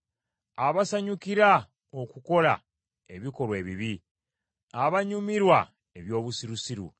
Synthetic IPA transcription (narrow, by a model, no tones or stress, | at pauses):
aβasaɲukiɾa | okuko̞la̰ | e̞βiko̞lwe̞ːβiβi | aβaɲumiɾwa | e̞βjo̞ːβusiɾusiɾṵ